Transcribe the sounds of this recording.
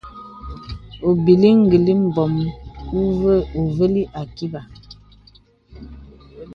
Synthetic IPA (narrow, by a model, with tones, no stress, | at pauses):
o˨bi˨li˦ŋ̩˨ɡi˨li˦m̩˨bɔ˨mku˦və˦u˨və˦li˦ʔa˨ki˦ba˨